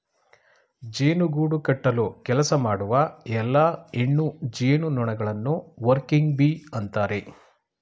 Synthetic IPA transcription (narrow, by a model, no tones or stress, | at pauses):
d͡ʒeːnuɡuːɽukɐʈːɐlukɛlɐsɐmaːɽuʋɐɛlːaːeɳːud͡ʒeːnunɔɳɐɡɐɭɐnːuʋɐɾkiŋɡbiɐnt̪aːɾe̞